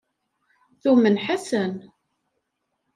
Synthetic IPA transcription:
θumənħasən

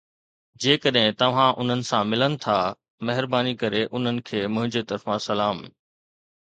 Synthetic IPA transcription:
d͡ʑeːkəɗɦɪ̃t̪ɐʋ̤ãʔʊn̤ənɪ̆sãmɪlənɪ̆t̪ʰa | mɐɦɪɾbaːnikɐɾeʔʊn̤ənɪ̆kʰeːmʊ̃ɦɪ̃ɲd͡ʑet̪ɐɾfãsɐlaːm

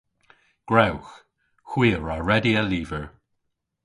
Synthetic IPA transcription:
ɡ̥ɹawx | xwiːəɹaɹɛdiəliːvəɹ

